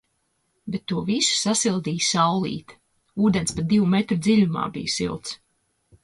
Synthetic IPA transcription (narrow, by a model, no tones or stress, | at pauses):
bet̪ːuɔvisu̥sasilˠd̪iːjsawlˠḭːt̪ | uːd̪ɛnspat̪̚d̪iwumɛt̪ɾud̪ziʎʲuma̰ːbḭjsḭlˠt̪s